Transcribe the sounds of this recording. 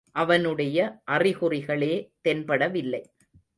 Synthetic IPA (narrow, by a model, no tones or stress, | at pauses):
ʔɐʋɐnɯɽɐjɐʔɐrɪɣɯrɪɣɐɭeːt̪ɛnbɐɽɐʋɪlːɐɪ